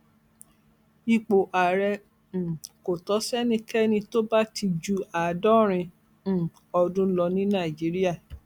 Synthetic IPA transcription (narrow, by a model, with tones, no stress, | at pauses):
i˧˨k͡po˨ʔa˨ɾɛ̃˧˨ | ko˨tɔ˨˦sɛ˦nĩ˧˦kɛ˦nĩ˧to˦ba˦ti˧d͡ʒu˧a˨dɔ˦ɾ̃ĩ˧˨ | ɔ˧dũ˦lɔ˧nĩ˦nã˦˨i˨d͡ʒi˨˦ɾi˦a˦˨